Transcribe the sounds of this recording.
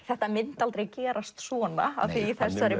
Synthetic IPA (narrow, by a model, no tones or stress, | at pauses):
θɛht̪amɪnt̪alt̪ɾeɣcɛːɾast̪svɔːna̰a̰θiːθɛsːaɾɪ